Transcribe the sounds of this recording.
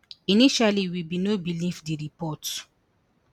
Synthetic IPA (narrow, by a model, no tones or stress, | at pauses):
iniʃaliwibinobilifdiɾipɔt